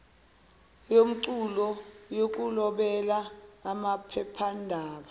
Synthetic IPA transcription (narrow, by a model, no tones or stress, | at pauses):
jom̩ǀulɔjok̬ʼulɔɓɛlaːmapʰɛpʰandʱaːɓa